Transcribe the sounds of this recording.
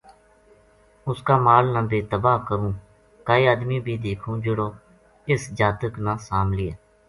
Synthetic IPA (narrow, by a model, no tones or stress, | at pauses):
ʊskaːmaːlnãːbeːt̪əbaːkəɾũː | kaːiːəːd̪miːbʱiːd̪eːkʰũːd͡ʒʊɽoː | ɪsd͡ʒaːt̪əknãːsaːmlɪːeː